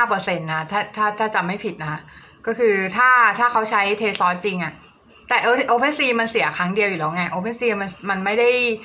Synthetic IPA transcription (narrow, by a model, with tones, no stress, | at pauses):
haː˥˩pɤː˧se˧nːa˦˥t̪ʰaː˥˩t̪ʰaː˥˩t̪ʰaː˥˩t͡ɕa˨˩ma˥˩jpʰi˨˩t̪̚na˦˥a˦˥ | kɔː˥˩kʰɯː˧t̪ʰaː˥˩t̪ʰaː˥˩kʰa˦˥wt͡ɕʰa˦˥jt̪ʰeː˧sɔː˦˥t̪̚t͡ɕi˧ŋʔa˨˩ʔ | t̪ɛː˨˩ʔo˧ʔoː˧˥pʰe˥nsiː˧ma˧nsi˨˩˦ɐ˦kʰa˦˥ŋdi˧əwju˨˩lɛː˦˥wŋa˧˥˩ʔoː˧pʰe˧˥nsiː˧˨˩ma˧nma˧nma˥˩jda˥˩j